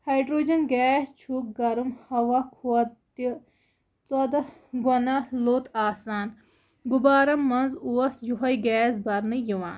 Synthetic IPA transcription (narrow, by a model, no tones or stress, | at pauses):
hɐjɖɾoːd͡ʒɐnɡɛːst͡ʃʰuk̚ɡɐɾumhɐʋɐkʰuɐt̪i | t͡sɐd̪ɐ | ɡɔnɐloːt̪aːsaːn | ɡubaːɾɐmmːɐnzuɐsjuɦɐjɡɛːsbɐɾnɨjiʋã̰ːn